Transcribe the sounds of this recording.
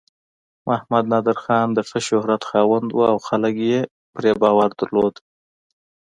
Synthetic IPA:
mʔahmad̪nɑd̪ɪɾxɑnd̪əfəʃʊhɾat̪xɑwand̪wuawxaləkje | pɾebɑwaɾd̪əɾlod̪

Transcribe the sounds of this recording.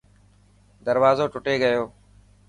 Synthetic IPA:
d̪əɾʋaːzoːʈʊʈeːɡəjoː

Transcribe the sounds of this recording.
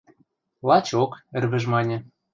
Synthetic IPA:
lˠɑt͡ɕokɘ̆rβɘ̆ʒmɑnʲĕ

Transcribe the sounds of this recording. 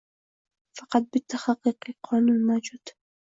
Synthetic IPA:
fɑqɑd̪̚bɪt̪ːaxɑqːiqiqʰɑːnuːnmaːd͡ʒuːd̪

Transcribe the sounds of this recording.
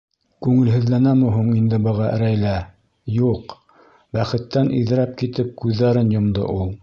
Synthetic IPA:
kʉŋɘ̆lɦɘ̆ðlænæmɘ̆ɦuɴind̪ɘbɤ̆ʁɑʔɘ̆ɾæjlæ | juq | bæχɘ̆t̪ːænʔḭðɘ̆ɾæp̚kit̪ɘp̚kʉðːæɾɘnjŏmd̪ɤ̰ʔulˠ

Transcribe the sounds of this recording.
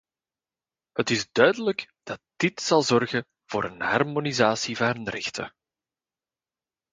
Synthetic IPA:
ɦətɪzdœɥdələɡ | d̥ɑt̚d̥ɪtsɑlˠzɔrɣə | v̥ʊːɾənɦɑrmonizaːsivaːɾənrɛxtʰə̰

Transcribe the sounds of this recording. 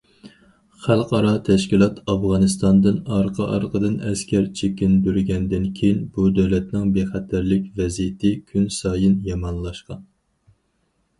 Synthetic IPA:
χælˠqʰɑɾɑt̪ʰɛʃkʲilˠɑt̪ʰɑvʁɑnɨst̪ɑnd̪ɨnɑɾqʰəʔɑ̰ɾqʰəd̪ɨnɛskʲʰɛɾt͡ʃʰekʲind̪yɾɡʲɛnd̪ɪnkʲʰejinbud̪ɛwlɛt̪nɪŋbeχæt̪ʰæɾlɪkʲvɛzijɪt̪ʰɪkʲʰynsɑːjɨnjɑmɑnlˠɑʃqɑn

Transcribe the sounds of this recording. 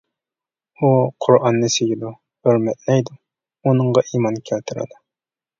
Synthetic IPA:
uqʰʊɾɑnːɨsejʲid̪u | høɾmɛt̪̚lɛjd̪u | unɨɴʁɑʔimɑnkʲʰælt̪ʰɪɾɪ̰d̪u

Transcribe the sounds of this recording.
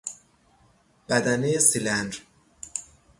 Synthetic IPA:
b̥æd̪ænejesilænɾ

